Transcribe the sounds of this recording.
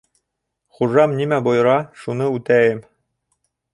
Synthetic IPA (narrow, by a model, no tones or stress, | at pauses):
χuʒɑmnʲimæbojɤ̆ɾɑʃunɤʉt̪æjɘm